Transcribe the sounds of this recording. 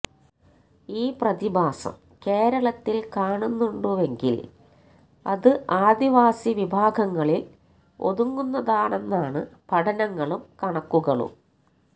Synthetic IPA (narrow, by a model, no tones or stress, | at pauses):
iːprɐd̪ibʱaːsɐ̰m | ke̞ːɾɐɭɐt̪ːilkaːɳunːuɳɖuʋe̞ŋɡḭl | ɐðɨʔaːd̪iʋaːsiʋibʱaːɡɐŋːɐɭil | o̞̰ðuŋːunːɐðaːɳe̞nːaːɳɨpʰɐʈʰɐnɐŋːɐɭumkɐɳɐkːuɣɐɭṵ